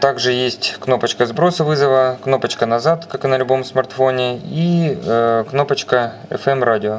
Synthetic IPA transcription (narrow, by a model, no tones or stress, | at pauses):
t̪aɡʐɨjesʲtʲkno̞pət͡ɕkəzbɾo̞sɨvɨzəvəkno̞pət͡ɕkənɐzat̪kakɨnɐlʲbo̞msmɐrt̪fonʲɪi | kno̞pət͡ɕkəɛ̰fɛmradʲɪo